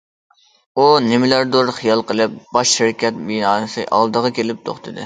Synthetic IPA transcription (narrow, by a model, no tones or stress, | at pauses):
unɪmɪlæɾd̪oɾχijɑlˠqəlˠɨp̚bɑʃːɪɾkʲɛt̪̚binɑːnsɨʔɑ̰lˠd̪əʁɑkʲelɪp̚t̪ʰo̰χt̪ʰɨd̪ɨ̰